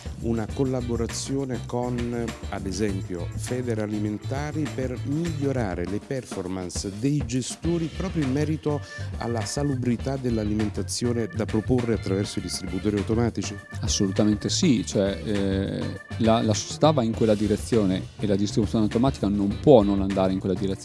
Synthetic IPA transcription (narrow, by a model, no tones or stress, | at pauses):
ṵnakolːaboɾat̪sːjoːnekonad̪ezɛmpjo̰fɛːd̪eɾaliment̪aːɾipermiʎːoɾa̰ːɾelepɛrformansd̪ejd͡ʒest̪oːɾipɾɔːpɾjoimːɛːɾit̪oa̰lːasalubɾit̪ad̪elːaliment̪at̪sːjoːned̪apɾoporːeat̪ːɾavɛrsoid̪ist̪ɾibut̪oːɾiawt̪omaːt̪it͡ʃi | asːolut̪ament̪esit͡ʃoɛ | lalaso̥t͡ʃe̥t̪avaiŋkwelːad̪iɾet̪sːjoːneelad̪ist̪ɾibut̪ːjoːneawt̪omaːt̪i̥kanompwɔnonand̪aːɾeiŋkwelːad̪iɾet̪ːj